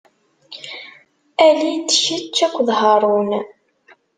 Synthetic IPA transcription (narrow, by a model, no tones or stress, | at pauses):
ælit͡sːəçit͡ʃːækʷːðɦɑɾˤun